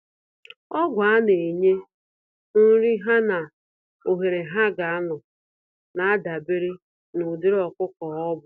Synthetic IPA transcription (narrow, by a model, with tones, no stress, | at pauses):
ɔ˦ɡʷa˦ne˨ɲe˦ | n̩˦ɾi˦ɦa˦na˨ | o˨ɦe˨ɾe˨ɦa˦ɡa˨a˦nʊ˨ | na˨a˦da˨be˦ɾi˦ | nʊ˨dɪ˦ɾɔ˨kʊ˦kɔ˨ɔ˦bʊ˨